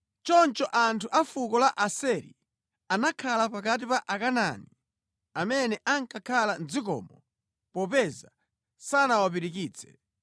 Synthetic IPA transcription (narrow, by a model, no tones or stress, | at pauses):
t͡ʃɔnt͡ʃɔʔantʰuʔafukɔlaʔasɛɾḭ | anakʰalapakat̬ipaʔakana̰ni | amɛnɛʔaŋkakʰalanzikɔ̰ːmɔ | pɔpɛza | sanawap̬iɾik̬iːt͡sʰɛ̥